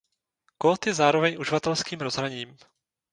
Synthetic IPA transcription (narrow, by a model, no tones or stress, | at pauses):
kot̪jɛzaːɾo̞vɛɲʔuʒɪvat̪ɛlskiːmɾozɦɾaɲiːm